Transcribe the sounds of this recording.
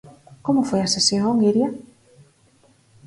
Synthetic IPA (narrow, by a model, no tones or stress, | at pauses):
komʊfojasesjoŋoŋɡiɾja